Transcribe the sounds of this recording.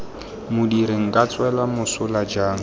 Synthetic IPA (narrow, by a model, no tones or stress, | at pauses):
mʊdiɾeŋ̩kʼat͡sʼwɛlamʊsʊlad͡ʒaːŋ̩